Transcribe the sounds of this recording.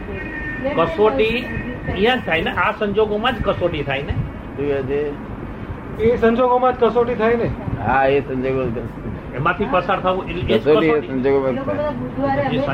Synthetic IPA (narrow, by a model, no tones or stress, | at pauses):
kəsoʈiĩjãd͡ʒt̪ʰaineʔasəɲd͡ʒoɡomãd͡ʒkəsoʈit̪ʰaine | t̪ũkat͡ʃʰe | ẽsə̃ɲd͡ʒoɡomãd͡ʒkəsoʈit̪ʰaineɦaesə̃ɲd͡ʒoɡ | emãt̪ʰipəsaɾt̪ʰaʋũʔeled͡ʒoəsieiə̃nd͡ʒoɡomãa | d͡ʒisə